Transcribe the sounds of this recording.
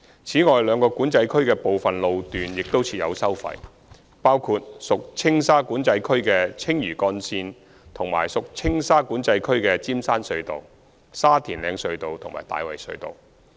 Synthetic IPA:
t͡sʰiː˨˥ŋɔː˨jlœː˨˧ŋkɔː˧kuː˨˥nt͡sɐ˧jkʰɵ˥ɥkɛː˧po˨wfɐ˨nlo˨˧wt̪yː˨njɪ˨k̚t̪o˥wt͡sʰiː˧t̚jɐ̰˨˧wsɐ˥wfɐ̰˧˥j | paː˥wkʰuː˧t̚sʊ˨k̚t͡sʰɪ˥ŋsaː˥kuː˨˥nt͡sɐ˧jkʰɵ˥ɥkɛː˧t͡sʰɪ˥ŋjyː˨˩kɔː˧nsiː˧n | t̪ʰʊ˨˩ŋma̰ː˨˩jsʊ˨k̚t͡sʰɪ˥ŋsaː˥kuː˨˥nt͡sɐ˧jkʰɵ˥ɥkɛː˧t͡siː˥msaː˥nsɵ˧ɥt̪o̰˨w | saː˥t̪ʰiː˨˩nlɛː˨˧ŋsɵ˧ɥt̪o˨wt̪ʰŋma̰ː˨˩jt̪a̰ː˨jwɐ̰˨˩jsɵ̰˧ɥt̪o̰˨˩w

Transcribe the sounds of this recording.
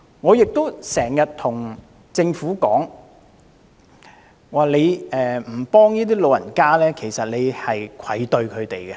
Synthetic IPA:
ŋɔː˨˧jɪ˨k̚t̪o˥wsɛː˨˩ŋjɐ˨t̚t̪ʰʊ˨˩ŋ | t͡sɪ˧ŋfuː˨˥kɔː˨˥ŋ | waː˨le˨˧jʔɛː˨m̩˨˩pɔː˥ŋjiː˥t̪̬iː˥lo˨˧wjɐ˨˩nkaː˥lɛː˥kʰe˨˩jsɐ˨t̚le˨˧jhɐ˨jkʷʰɐ˨˥jt̪ɵ˧ɥkʰɵ˨˧ɥt̪e˨jɡɛ˧

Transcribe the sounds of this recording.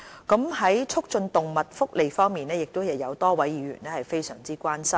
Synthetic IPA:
kɐ˨˥mɦɐ˨˥jt͡sʰʊ˥k̚t͡ʃɵ˧nt̪ʊ˨ŋmɐ˨t̚fʊ˥k̚le˨˩jfɔː˥ŋmiː˨nɛː˥jɪ˨k̚t̪o˥wjɐ˨wjɐ˨˧wt̪ɔː˥wɐ˨˥jiː˨˧ɥy̰ː˨˩nɛː˥hɐ˨jfe˥jsœ̰ː˨˩ŋt͡siː˥kʷwaː˥nsɐ˥m

